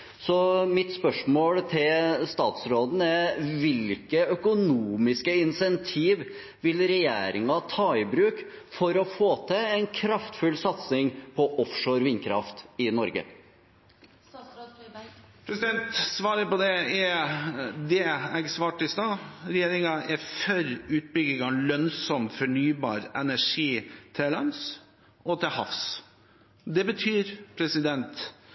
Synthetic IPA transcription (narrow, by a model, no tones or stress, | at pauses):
sɔmɪt̪spœʂmoːɽt̪ʰɪlst̪ɑːt̪sɾoːd̪n̩ɛɾʋɪlkəœkʊnuːmɪskəɪnsɛnt̪ʰiːʋ | ʋɪlɾɛjḛːɾɪŋɑt̪ʰɑːɪbɾʉːk | fɔɾɔfoːt̪ʰɛɛnkʰɾɑft̪fʉlsɑt̪snɪŋpʰɔʔɔfʂoːɾʋɪnːkʰɾɑft̪ɪnɔɾɡə̰ | pʰɾɛsɪd̪ɛnt̪sʋɑːɾəpɔd̪ɛɛ | d̪ɛɛɡsʋɑːʈɪst̪ɑːɾɛjeːɾɪŋɑʔɛfœɾʉːt̪̚bʏɡɪɡɑlœnsɔmfɔɳyːbɑ̰ːɾɛnæʂiːt̪ʰɛlɑns | ʔɔt̪ʰɪhɑfs | d̪ɛbət̪ʰyːɾpʰɾɛsɪd̪ɛnt̪